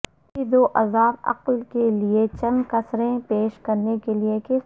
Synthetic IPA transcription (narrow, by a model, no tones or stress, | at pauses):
id̪oːʔɐzaːbɐ̰qlkeliet͡ʃɐ̃nkɐsɾẽpeːʃkɐɾnekelieke